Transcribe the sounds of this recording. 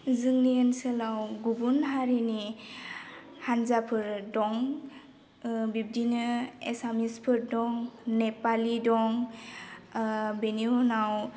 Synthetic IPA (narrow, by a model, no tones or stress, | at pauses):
zɯŋniensəlawɡubunɦaɾini | hanzapʰɯɾdɔŋ | bib̚dinɯesamispʰɯɾdɔŋnepalidɔŋ | beniunaw